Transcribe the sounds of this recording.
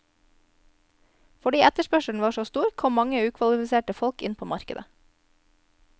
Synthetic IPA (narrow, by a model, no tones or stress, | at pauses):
fɔɖiːæt̪əʃpœʃəɳ̩ʋɑːʃoːst̪uːɾkʰɔmmɑŋəʉːkʰʋɑlɪfɪseːʈəfɔlkɪ̰npʰoːmɑɾkəd̪ə